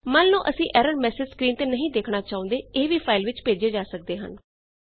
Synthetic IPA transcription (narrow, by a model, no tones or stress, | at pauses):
mənːũːʔəsĩːʔɛːɾəɾmɛːsɪd͡ʒskɾiːnt̪eːnəɦĩːd̪eːkʰnaːt͡ʃaːʊ̃ːnd̪eːeːʋiːpʰaːɪlʋɪt͡ʃpeːd͡ʒeːd͡ʒaːsək̚d̪eːɦə̰n